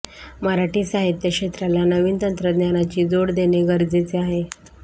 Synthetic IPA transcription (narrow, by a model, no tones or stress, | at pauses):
məɾaʈiːsaɦit̪jəkʂɕet̪ɾalanəʋiːnt̪ənt̪ɾəd̪njanat͡ɕiːd͡zoɽd̪eneɡəɾd͡zet͡seaɦe